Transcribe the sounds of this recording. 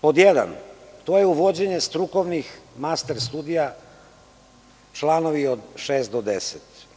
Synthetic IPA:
pod̪jed̪a̰nt̪oːjeuʋod͡ʑeɲest̪ɾuko̞ʋnixmast̪eɾst̪uːd̪ija | t͡ʃlaːnoʋiod̪ʃeːst̪̚d̪od̪eset̪

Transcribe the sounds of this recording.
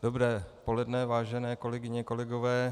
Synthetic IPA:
dobɾɛːpolɛdnɛvaːʒɛnɛːko̞lɛɡɪɲɛkolɛɡovɛː

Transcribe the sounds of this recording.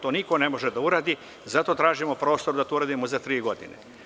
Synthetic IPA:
t̪oːniko̞ne̞mo̞ʒed̪auɾaːd̪i | zat̪o̞t̪ɾaːʒimopɾo̞ːst̪o̞ɾd̪at̪ouɾaːd̪imozat̪ɾiːɡo̞d̪ḭnḛ

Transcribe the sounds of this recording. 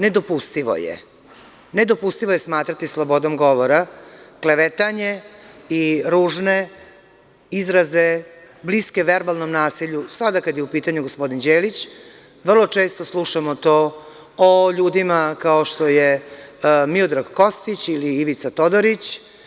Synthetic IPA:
ne̞d̪o̞pust̪iʋo̰jḛ | ned̪o̞pust̪iʋoje̞smaːt̪ɾat̪islˠobo̞d̪omɡo̞ʋoɾakleʋet̪aɲe̞iɾuːʒne | izɾaze | bliske̞ʋeɾbalˠnomnaːsiʎusad̪akad̪jeupiːt̪aɲuɡospo̞d̪ind͡ʑeːlit͡ɕ | ʋr̩lo̞t͡ʃe̞ːst̪oslˠuʃamot̪o | oʎuːd̪imakao̞ʃt̪o̞je | miod̪ɾaɡko̞st̪it͡ɕiliiʋit̪sat̪o̞d̪oɾit͡ɕ

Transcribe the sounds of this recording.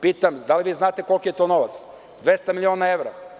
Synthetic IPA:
piːt̪amd̪aliʋiːznaːt̪eko̞lˠkijet̪ono̞ʋa̰t̪s | d̪ʋest̪amilʲioːnaeʋɾa̰

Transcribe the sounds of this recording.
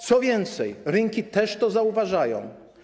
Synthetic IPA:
t̪sɔvʲjɛnt̪sɛjɾɘŋkʲit̪ɛʂt̪ɔzauvaʐajɔ̰̃w̃

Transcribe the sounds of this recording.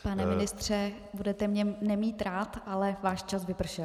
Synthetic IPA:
panɛmɪnɪst̪r̝̥ɛ | budɛt̪ɛmɲɛnɛmiːt̪ɾaːt̪ʔalɛvaːʃt͡ʃasvɪpr̩ʃɛl

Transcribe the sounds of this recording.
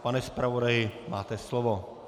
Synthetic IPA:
panɛspɾavodajɪmaːt̪ɛslovo

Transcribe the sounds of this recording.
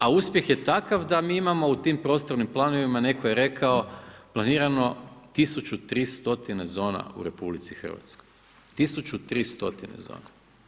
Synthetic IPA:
auspje̞xje̞t̪akafd̪amiːimamo̞ut̪impɾost̪oɾnimplˠano̞ʋimane̞koje̞ɾe̞kʰao̞planiːɾano̞t̪isut͡ʃut̪ɾiːst̪o̞t̪inezo̞ːna̰ṵɾe̞publit̪sixr̩ʋa̰t̪skoj | t̪isut͡ʃut̪ɾiːst̪o̞̰t̪inḛzo̰ːna

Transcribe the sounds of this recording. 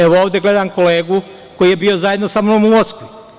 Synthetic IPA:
eʋooːʋd̪e̞ɡle̞d̪amko̞leːɡu | ko̞jijebio̞zaje̞d̪nosamonomumosku

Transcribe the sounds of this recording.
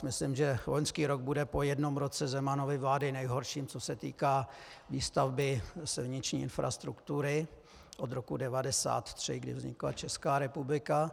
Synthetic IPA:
mɪslɪmʒɛloɲskiːɾo̞ɡ̚budɛpo̞jɛdno̞mɾo̞t͡sɛzɛmano̞vɪvlaːdɪnɛjɦo̞ɾʃiːmt͡so̞sɛt̪ḭːkaːviːst̪avbɪsɛvɲɪt̪t͡ʃɲiːʔɪnfɾʔa̰st̪ɾukt̪uɾɪ | ʔo̞d̪ɾo̞kudɛvadɛsa̰ːt̪t̪r̝̥ɪɡdɪ̰vzɲɪ̰kla̰t͡ʃɛskaːɾɛpublɪka

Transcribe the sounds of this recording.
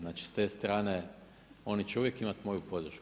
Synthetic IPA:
naːt͡ʃi̥st̪e̞st̪ɾaːne | o̞nit͡ɕeuʋjekimat̪mo̞jupo̞d̪ɾ̩ʃk

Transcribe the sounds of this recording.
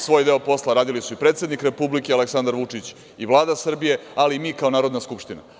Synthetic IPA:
sʋo̞ːjd̪e̞opo̞slˠaɾaːd̪ilisuipɾet̪se̞d̪nikɾe̞publikealeksand̪aɾʋut͡ʂit͡ɕ | iʋlˠaːd̪asr̩bije̞aliːmiːkao̞naːɾo̞d̪naskupʃt̪ina̰

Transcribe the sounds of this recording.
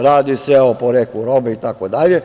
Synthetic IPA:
ɾaːd̪iseopoɾekuɾobɛit̪akod̪aʎe

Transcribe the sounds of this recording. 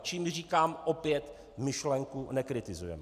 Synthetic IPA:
t͡ʃiːmr̝iːkaːmʔopjɛt̪ | mɪʃlɛŋkunɛkɾɪt̪ɪzujɛ̰m

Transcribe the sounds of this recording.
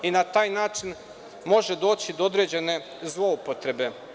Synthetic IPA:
inat̪aːjnaːt͡ʃin | mo̞ʒe̞d̪o̞ːt͡ɕid̪ood̪ɾe̞ːd͡ʑe̞ne̞ | zlˠo̞upot̪ɾe̞be̞

